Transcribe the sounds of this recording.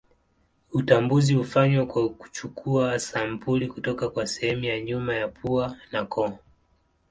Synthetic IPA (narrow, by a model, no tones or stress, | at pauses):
utambuziufaɲwakwaku̥t͡ʃukʰuasampulikutɔkakwasɛhɛmujaɲumajapʰuanakɔ